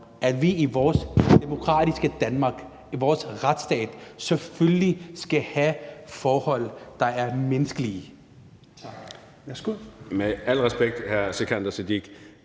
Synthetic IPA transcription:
ʔæd̥ʋiiʋɒːsd̥e̝mo̝kʰʁɑ̰̈ːdisɡ̥əd̥ænmɑ̈ːɡ̥ | iʋɒːsʁad̥sd̥ɛ̰ːd̥sɒføllisɡ̥æhæfɒːhɒ̽l̰d̥ɑ̈æɐmenəsɡ̥əli | meælʁɛsb̥eɡ̥̚d̥hæɐsekʰænd̥ɐsed̥iɡ̥

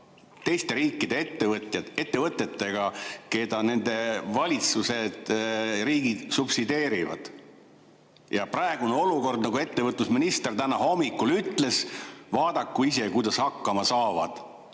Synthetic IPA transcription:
t̪e̞jst̪e̞ɾiːkːid̪̥e̞e̞t̪ːevɤt̪jɑd̪̥e̞t̪ːevɤt̪ːˑe̞t̪ːe̞ɡ̥ɑke̞d̪ɑne̞nd̪̥e̞vɑlʲit̪suse̞d̪riːɡid̪̥subsid̪e̞ːɾivɑ̰d̪̥ | jɑprɑeɡ̥uneo̞luko̞rd̪nɑɡue̞t̪ːe̞vɤt̪ːˑusminist̪ert̪ænɑɦo̞mːikːˑulyt̪ːˑle̞svɑːd̪ɑkːuise̞kujd̪ɑshɑkːɑmɑsɑːvɑ̰d̪̥

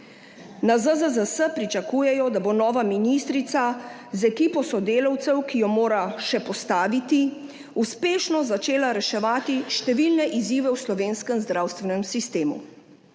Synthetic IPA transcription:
nazəzəzəsəpɾit͡ʃakuːjɛjɔd̪abonɔːʋaminist̪ɾit̪sazɛkiːpɔsɔd̪eːlawt̪sɛwkijɔmoːɾaʃɛpɔst̪aːʋit̪i | uspeːʃnɔzat͡ʃeːlaɾɛʃɛʋaːt̪iʃt̪ɛʋilnɛʔiziːʋɛwslɔʋeːnskəmzd̪ɾawst̪ʋɛnɛmsist̪eːmṵ

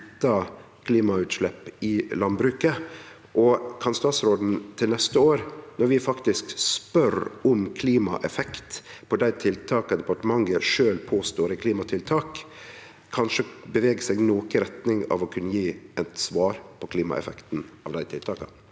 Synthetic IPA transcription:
t̪ːɑ | kʰliːmɑʉːt̪ʂɭɛpːɪlɑnbɾʉːkə | ʔɔkʰɑnst̪ɑːt̪sɾoːd̪n̩t̪ʰɪlnɛst̪əoːɾnɔɾʋɪfɑkt̪ɪskspœɾʊmkʰliːmɑ̰ʔɛfɛkt̪pʰɔd̪æɪt̪ʰɪlt̪ʰɑːkɑd̪ɛpɑʈəmɑŋəʂøːlpʰoːst̪oːɾəkʰliːmɑt̪ʰɪlt̪ʰɑːk | kʰɑnʂəbəʋeːɡsɛɡnoːkəɾɛt̪nɪŋɑ̰ʋɔkʰʉnːəjiːɛt̪sʋɑːɾpʰɔkʰliːmɑ̰ʔɛ̰fɛkt̪n̩ɑʋd̪æɪt̪ʰɪlt̪ɑːkɑ̰

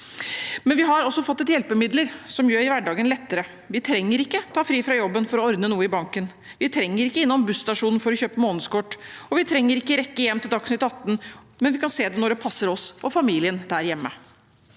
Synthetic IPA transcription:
mɛnʋɪɦɑɾɔsːɔfɔt̪ːɛt̪jɛlpəmɪd̪ləɾsɔmjøːɾɪʋæɖɑːɡənlɛt̪ːəɾə | ʋɪt̪ʰɾɛŋːəɾɪkːət̪ʰɑːfɾiːfɾɑjɔbːənfɔɾɔɔɾd̪ənuːəɪbɑŋkən | ʋɪt̪ʰɾɛŋːəɾɪkːəɪnːɔmbʉst̪ɑʂuːnn̩fɔɾɔçøːpəmoːnəskʰɔʈːɔʋɪt̪ʰɾɛŋːəɾɪkːəɾɛkːəjɛmːt̪ʰɪld̪ɑksnʏt̪ːɑt̪ːn̩mɛnʋɪkɑnseːd̪ɛnɔɖɛpʰɑsːəɾɔsʔɔfɑmiːlɪənd̪̥æːɾjɛmːə

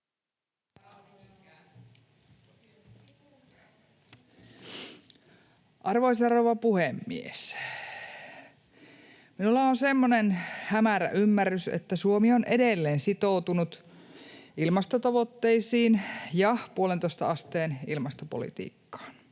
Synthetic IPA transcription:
ʔɑrʋois̬ɑrowʋɑpuhemːḭḛs | minulːɑonsemːonenhæmæɾæ̰ʔymːærːysḛt̪ːæsuomionʔedelːeːnsit̪out̪unut̪ | ilmɑst̪ot̪ɑʋot̪ːeisiːnjɑpuolent̪oist̪ɑ̰ɑst̪eːnilmɑst̪opo̰lḭt̪ḭːkːɑ̥ːn

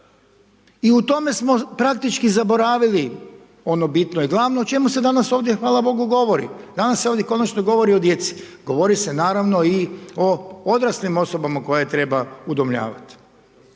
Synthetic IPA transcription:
iut̪o̞me̞smo̞pɾakt̪it͡ʃkizabo̞ɾaːʋili | o̞no̞bit̪noiɡlˠaʋnoot͡ʃe̞muse̞d̪anasoːʋd̪jexʋaːlˠabo̞ɡuɡo̞ʋo̞ɾḭd̪anasːeo̞ːʋd̪je̞ko̞nat͡ʃnoɡo̞ʋo̞ɾio̞d̪je̞t̪si̥ɡo̞ʋo̞ɾise̞naːɾaʋno̞io̞od̪ɾaslimo̞so̞bamako̞jet̪ɾe̞baud̪omʎa̰ːʋa̰t̪i̥

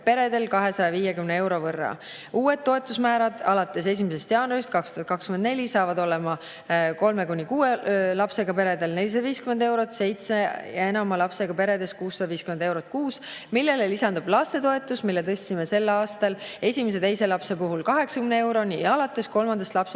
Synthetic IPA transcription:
pe̞ɾe̞d̪e̞lkɑɦe̞sɑjɑviːjekymnee̞wɾo̞vɤrːɑ̰ | uːe̞d̪̥̚ːo̞et̪ːˑusmæːɾɑd̪̥ɑlɑt̪ːˑe̞se̞s̬ʲimese̞st̪jɑːnuoɾist̪̚kɑkst̪uhɑt̪kɑkskymend̪ne̞lʲisɑːvɑd̪o̞lemɑ | ko̞lme̞kunʲːikuːelɑpse̞ɡɑpe̞ɾe̞d̪e̞lne̞lʲːis̬ɑd̥̪ɑviːskyme̞nd̪e̞wɾo̞t̪se̞jt̪sejɑe̞nɑmɑlɑpse̞ɡ̥ɑpe̞ɾed̪e̞skuːsːɑd̪ɑviːskymend̪e̞wɾot̪̚kuːsmilːe̞lelisɑnd̪̥ub̥lɑst̪e̞t̪o̞e̞t̪ːˑusmilːet̪ɤsʲt̪ʲːsimese̞lːɑːst̪ɑle̞sʲimes̬e̞t̪e̞jse̞lɑpse̞puɦulkɑɦe̞ksɑkymnee̞wɾo̞nʲiɑlɑt̪ːˑe̞sko̞lmɑnd̪ɑst̪lɑpse

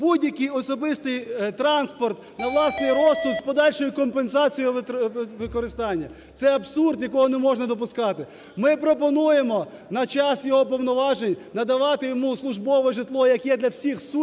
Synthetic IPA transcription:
budʲjɐkɪjɔsɔbɪst̪ɪjt̪ɾɑnspɔrt̪nɐʋlˠɑsnɪjɾɔst̪ʊd̪spɔd̪ɑlʲʃɔjʊkɔmpensɑt͡sʲijɔjʋ̪ʋɪkɔɾɪst̪ɑnʲːɐ | tsɛɐbsurd̪jɐkɔɦɔnɛmɔʒnɐd̪ɔpʊskɑt̪ɪ | mɪpɾɔpɔnujemɔ | nɐt͡ʃɑsjɔɦɔpɔwnɔʋɑʒenʲnɐd̪ɐʋɑt̪ɪjɔmuslˠʊʒbɔʋɛʒɪt̪lˠɔjɐkjɛd̪lʲɐwsʲixsu

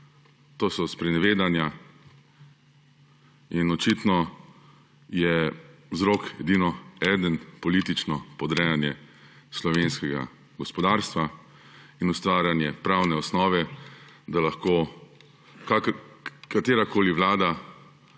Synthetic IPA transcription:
t̪oːsɔspɾɛnɛʋeːd̪anja | inɔt͡ʃiːt̪nɔ | jɛzɾoːkɛd̪inɔɛd̪ənpɔliːt̪it͡ʃnɔpɔd̪ɾɛjanjɛ | slɔʋeːnskɛɡa̰ | ɡɔspɔd̪aɾst̪ʋa | inust̪ʋaːɾjanjɛpɾawnɛɔsnɔːʋɛd̪alaxkoː | kakkat̪eːɾakoːliʋlaːd̪a

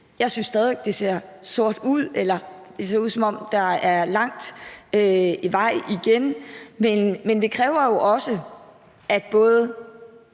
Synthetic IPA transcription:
jɑ̈ɪsynsːd̥ɛðˠiʋeɡ̥̚d̥e̝se̝ɐ̰so̝ɐ̰d̥uð̰ˠelɐd̥e̝se̝ɐuð̰ˠsɒ̽mɒ̽m̰d̥ɑ̈æɐlɑ̈ŋ̰d̥øʋɑ̈ɪ̰iɡ̥enmenmend̥e̝kʰʁɛːʊɐjo̝ʔɒ̽sə | ʔæd̥̚b̥ɔ̽ːð̞ˠə

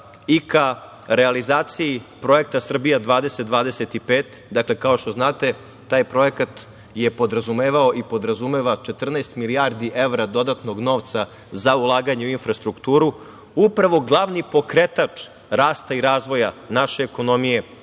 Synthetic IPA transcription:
ika | ɾealizaːt̪sijipɾo̞je̞k̚t̪asr̩bijad̪ʋaːd̪e̞set̪̚d̪ʋaːd̪e̞se̞t̪ipeːt̪d̪akle̞kao̞ʃt̪o̞znaːt̪e̞ | t̪aːjpɾo̞je̞kat̪ | je̞po̞d̪ɾazumeːʋao̞ʔipo̞d̪ɾazume̞ʋat͡ʃe̞t̪r̩najst̪milijaːɾd̪iʔeʋɾad̪o̞d̪at̪no̞ɡno̞ːʋt̪sa | zaulˠaːɡaɲeuinfɾast̪ɾukt̪uːɾu | upɾaʋo̞ɡlˠaʋnipo̞kɾet̪at͡ʂ | ɾaːst̪aiɾaːzʋo̞janaʃe̞ːko̞no̞mije̞

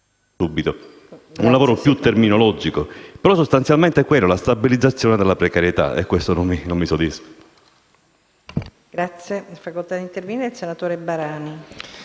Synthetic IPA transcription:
ubːit̪o | unlavoːɾopjut̪ːerminolɔd͡ʒikopeɾɔs̬ːost̪ansjalment̪eɛkːwelːolast̪abilid̪zːat̪sːjɔːned̪elːapɾekaɾjet̪a̰ʔḛkːwest̪onommːinomːisod̪is | ɡɾat̪sjefakolt̪ad̪int̪erveniɾelsenat̪oːɾebaɾaːni

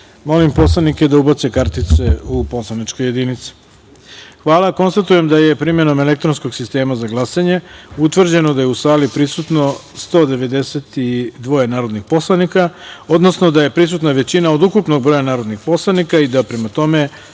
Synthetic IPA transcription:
mo̞limpo̞slˠaniked̪aubatsekaɾt̪it̪seupo̞slˠanit͡ʃkoje̞d̪init̪si̥ | xʋaːlako̞nst̪at̪uje̞md̪ajepɾime̞no̞me̞lek̚t̪ɾonsko̞ɡsist̪e̞ːmazaɡlˠasaɲe̞ut̪ʋr̩d͡ʑe̞nod̪ajeusaːlipɾisut̪no̞st̪o̞ːd̪eʋe̞d̪eset̪id̪ʋo̞jenaːɾo̞d̪nixpo̞slˠanikao̞d̪no̞snod̪aje̞pɾisut̪naʋe̞t͡ɕinaod̪ukupno̞ɡ̚bɾo̞janaːɾo̞d̪nixpo̞slˠanikaid̪apɾe̞mat̪o̞me

